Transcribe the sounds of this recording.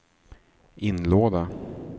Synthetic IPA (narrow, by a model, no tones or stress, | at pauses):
ʔɪnloːd̪a